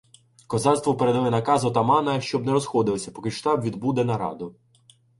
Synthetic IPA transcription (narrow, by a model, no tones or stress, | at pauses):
kɔzɑlʲst̪ʋɔpeɾed̪ɐlˠɛnɐkɑzɔt̪ɐmɑnɐʃt͡ʃɔbnɛɾɔsxɔd̪ɪlˠɐsʲɐpɔkɪʃt̪ɑbʋʲid̪bud̪ɛnɐɾɑ̰d̪ʊ